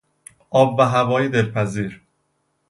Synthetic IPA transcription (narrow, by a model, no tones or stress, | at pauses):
ʔɒːbːæɦævɒːjed̪elpʰæziːɾ